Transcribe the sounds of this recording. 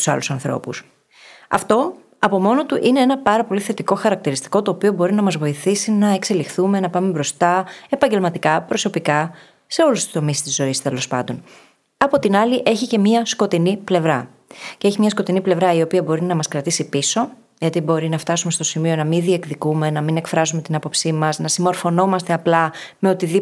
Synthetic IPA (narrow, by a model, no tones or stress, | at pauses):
u̥sɐ̰lusɐnθɾo̰pṵs | ɐ̰ft̪o̞ | ɐpo̞mo̞no̞t̪uʔine̞enɐpɐɾɐpo̞liθe̞t̪iko̞xɐɾɐk̚t̪iɾist̪i̥ko̞t̪o̞ːpio̞bo̞ɾinɐmɐzvo̞iθisinɐe̞kse̞lixθume̞nɐpɐmebɾo̞st̪ɐe̞pɐɲɟe̞lmɐt̪ikɐpɾo̞so̞pikɐ | se̞o̞lust̪u̥st̪o̞mist̪izːo̞ist̪e̞lo̞spɐ̰nd̪o̞n | ɐpo̞t̪inɐliʔe̞çice̞miɐsko̞t̪iniple̞vɾɐ | ceeçimɲɐsko̞t̪iniple̞vɾɐiopiɐbo̞ɾinɐmɐskɾɐt̪isipiso̞ | ʝɐt̪ibo̞ɾinɐft̪ɐsume̞st̪osimio̞nɐmiðie̞kðikume̞nɐmine̞kfɾɐzume̞t̪inɐpo̞psimɐznɐsimo̞ɾfo̞no̞mɐst̪e̞ɐplɐme̞o̞t̪iði